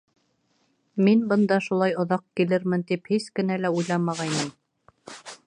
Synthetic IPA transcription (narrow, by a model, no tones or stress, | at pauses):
minbɤ̆nd̪ɑʃulˠɑjŏðɑq̚kilɘɾmɘnt̪iphiskɘ̆nælæujlˠɑmɑʁɑjnɤm